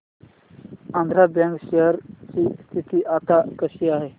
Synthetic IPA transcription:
ãnd̪ʱɾabɛ̃ŋkɕeɦəɾt͡ɕiːst̪ʰit̪iːʔat̪akəɕiːaɦe

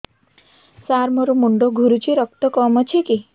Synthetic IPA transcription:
saɾmɔɾumuɳɖoɡʱuɾut͡ʃʰiɾɔkt̪ɔkɔmɔt͡ʃʰiki

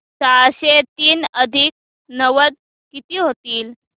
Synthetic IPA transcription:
t͡saɭɕet̪iːnəd̪ʱik̚ | nəʋəd̪̚ | kit̪iːɦot̪iːl

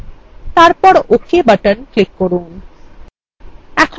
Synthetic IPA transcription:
t̪aɾpɔɾokʰibaʈənklikːoɾun | ɛkʰ

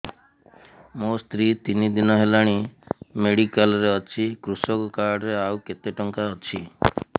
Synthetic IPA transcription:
most̪ɾit̪inid̪inɔɦelaɽ̃imeɽikalɔɾeɔt͡ʃʰikɾusɔkɔkaɾɖɾeawket̪eʈɔŋkaɔt͡ʃʰi

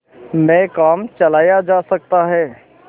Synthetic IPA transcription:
mɛ̃ːkaːmt͡ʃɐlaːjad͡ʒaːsɐk̚t̪aɦɛː

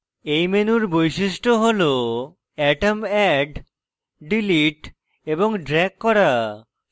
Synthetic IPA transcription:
ejmenuɾbojʃiʃʈoɦolo | ɛʈamɛɖ | ɖiliʈ | eboŋɖɾɛkːɔɾa

